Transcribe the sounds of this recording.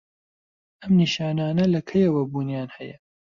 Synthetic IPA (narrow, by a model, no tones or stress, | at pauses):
ʔɐmniːʃaːnaːnɐlɐkʰɐjɐwɐbuːnjaːnhɐjɐ